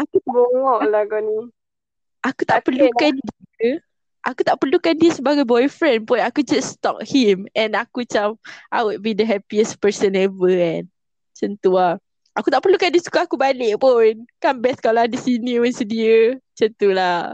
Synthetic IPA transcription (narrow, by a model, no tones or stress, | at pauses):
akuɡoŋɔʔlaɡɔni | ʔakut̪aʔpəlukandiə | ʔakut̪aʔpərlukandiəsəbaɡajbɔjfɾɛ̃npʊnakud͡ʒast̪ɔ̰k̚himɛ̃nakut͡ʃamʔajwud̚bidəɦɛpiəspəsə̃nɛvəɛ̃n | t͡ʃənt̪ua | ʔakut̪aʔpərlukandiəsu̥kaakubalɪʔpʊnkambɛskaoladisinĩwɛnsədiət͡ʃənt̪ulah